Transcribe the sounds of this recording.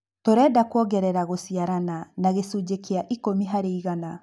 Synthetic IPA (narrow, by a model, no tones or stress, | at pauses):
toɾɛːdakwɔɡɛɾɛɾaɣosiaɾananaɣesuːd͡ʑekeaʔikomiɦaɾeiɣana